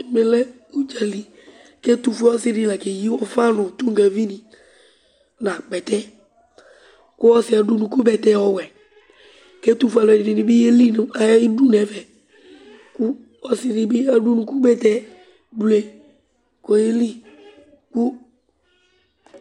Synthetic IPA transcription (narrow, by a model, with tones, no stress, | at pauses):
tʊ˨me˦lɛ˦ | u˦d͡ʒa˨li˨ | kɛ˦tu˨˧fɛ˦ɔ˦sɪ˦ɾi˦la˨ke˨ji˦ɔ˦fa˦nʊ˨tu˦ŋ˨ɡa˨vi˦nĩ˨ | nã˨k͡pɛ˨tɛ˦ | kʊ˦ɔ˦sɪ˦a˨du˦nũ˨ku˦bɛ˨tɛ˦ɔ˨wɛ˨ | kɛ˦tu˦fu˦a˨lɛ˨dɪ˨dɪ˨nɪ˦bɪ˦e˦li˦n˨a˨˦i˦du˦nɛ˨˦vɛ˨ | kʊ˦ | ɔ˦sɪ˦dɪ˨bɪ˦a˨du˦nũ˨ku˦bɛ˦tɛ˦ | bu˨ɛ˨ | kɔ˨je˦li˦ | ku˦